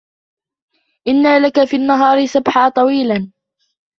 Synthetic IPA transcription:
ʔɪnːaːlakafiːanːaɦɑːɾɪsabħaːt̪ˤɑwiːlan

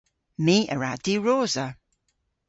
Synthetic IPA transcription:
miːə̰ɹadiɹoːzə

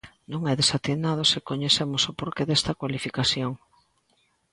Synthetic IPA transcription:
nõŋɛðesat̪enað̞osekoɲeθemʊsʊpoɾkeðest̪ɐkwalifikaθjoŋ

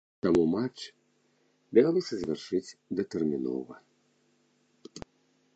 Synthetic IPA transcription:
t̪amumat͡ʂ | b̪ʲavʲalˠɔsʲɐzʲvʲarʂɨt͡sʲd̪ɐt̪ɛrmʲinɔ̰vɐ

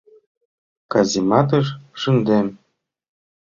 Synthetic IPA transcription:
kɑzʲimɑt̪ɤ̆ʃʂɨnd̪em

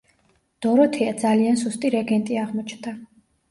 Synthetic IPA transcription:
d̪̥ɔɾɔt̪ʰɛad̪zaliansust̪ʼiɾɛɡɛnt̪ʼiaʁmɔt͡ʃʰnd̪a

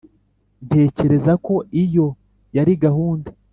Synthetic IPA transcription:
ntʰe̞ːce̞ɾe̞zako̞ʔijo̞ | jaɾiɡahuːnde

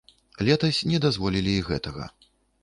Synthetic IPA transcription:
lʲɛt̪ɐsʲnʲɛd̪azvɔlʲilʲiiɣɛ̰t̪ɐɣɐ̰

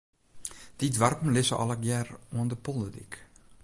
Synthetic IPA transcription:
d̥idʋarpm̩lɪsə̰ʔɑ̰lˠəkjɛruəndəpɔlətik

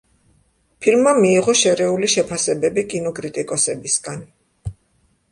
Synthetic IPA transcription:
pʰilmːamiːʁɔʃɛɾɛuliʃɛpʰasɛbɛbikʼinɔkʼɾit̪ʼikʼɔsɛbisɡan

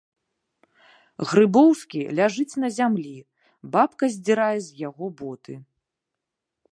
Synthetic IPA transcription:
ɣɾɨbɔwskʲilʲaʐɨt͡sʲnɐzʲamlʲi | bapkɐzʲd͡zʲiɾajɛzʲjaɣɔbɔt̪ɨ

